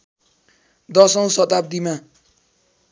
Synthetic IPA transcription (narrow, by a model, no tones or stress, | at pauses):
d̪ʌsʌw̃sʌt̪ab̚d̪ima